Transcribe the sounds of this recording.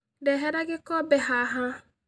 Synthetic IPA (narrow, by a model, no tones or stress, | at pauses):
deɦɛɾaɡɪkɔbeɦaɦa